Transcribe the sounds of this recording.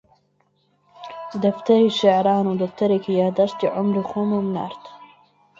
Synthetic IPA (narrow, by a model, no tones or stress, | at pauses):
d̪ɐft̪ɐɾiʃaʕɾɑːnud̪ɐft̪ɐɾikʰijaːd̪aʃt̪iʕʊmɾuxomumna̰ɾt̪